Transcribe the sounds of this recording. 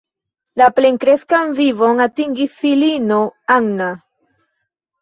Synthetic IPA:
lapleŋkɾeskanvivoŋatiŋɡisfilinoaŋna

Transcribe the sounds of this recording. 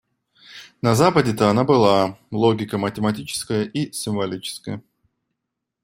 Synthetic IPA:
nɐzapədʲɪt̪əɐnabɨlˠalˠoɡʲɪkəmətʲɪmɐtʲit͡ɕɪ̥skəjəʔisʲɪɱvɐlʲit͡ɕɪ̥skəjə

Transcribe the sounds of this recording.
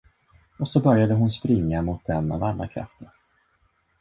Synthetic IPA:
ɔsɔbœɾjad̪əɦʊnspɾɪŋːamʊt̪̚d̪ɛma̰valːa̰kʰɾa̰ft̪ʰəɾ

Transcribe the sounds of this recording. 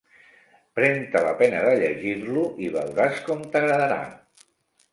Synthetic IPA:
pɾɛnt̪ələ̰pɛnəðəʎəʒiɾluʔiβə̰wɾaskɔmt̪əɣɾəðəɾa̰

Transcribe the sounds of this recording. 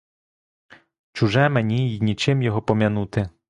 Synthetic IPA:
t͡ʃʊʒɛmenʲijnʲit͡ʃɪmjɔɦɔpɔmʲjɐnut̪ɪ

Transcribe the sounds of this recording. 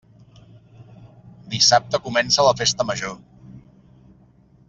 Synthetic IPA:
d̪isap̚t̪əkumɛnsələfest̪əməʒo

